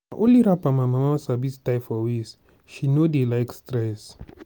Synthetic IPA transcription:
aʔoliɾapamãmãmasabistajfɔwes | ʃinodelajkstɾɛs

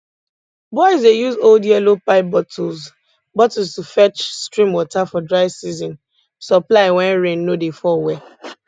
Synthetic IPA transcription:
bɔɪzdejuzoldjɛlopaɪp̚bɔtʰɔz | bɔtstufɛt͡ʃstɹĩmwɔtafɔdɹaɪvsizɔ̃n | sɔplaɪwɛ̃nɹẽnːodefɔwɛ

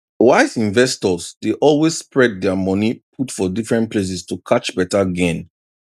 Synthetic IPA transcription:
waɪzĩɱvɛstɔzdeʔɔlwesspɹɛd̚dɛamɔnipʰutfɔdifɹɛ̃ntpʰles̬ɛstʰukʰat͡ʃbɛtaɡẽn

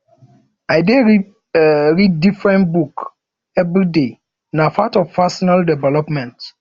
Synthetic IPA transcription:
ajde | ɹid̚ːifɹɛ̃ntbuk | ɛvɾide | nafatɔvfasɔnaldɛvɛlɔpmɛ̃nt

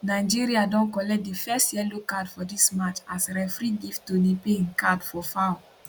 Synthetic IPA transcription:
naɪd͡ʒiɾiadɔ̃nkɔlɛk̚difɛstjɛlokadfɔdismat͡ʃasɾɛfɾiɡifttodepeĩnkadfɔfaw

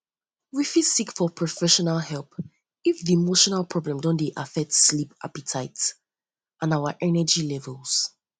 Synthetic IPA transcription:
wifisikfɔpʰɹɔfɛʃɔnalˠhɛlˠp | ifðiɛmoʃɔnalˠpʰɹ̥ɔblɛ̃mdɔ̃ndeʔafɛk̚tslipa̰pitʰaɪts | ʔãnawaʔɛnəd͡ʒilɛvəlˠz̥

